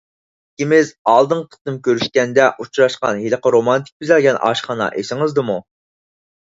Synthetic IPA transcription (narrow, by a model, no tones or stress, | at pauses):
kʲimɪzɑlˠd̪ɨŋq̪ʰə̥t̪ɨmkʲøɾyʃkʲɛnd̪ɛʔut͡ʃɾɑʃqɑ̰nɦiləqəɾomɑnt̪ʰi̥k̚ʲbizɛlɡʲɛnɑ̰ːʃχɑnɑ̰ʔesɪŋɨzd̪ɨmu